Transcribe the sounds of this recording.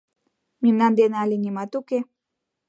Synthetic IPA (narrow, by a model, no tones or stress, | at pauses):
mimnand̪enealinimɑt̪uke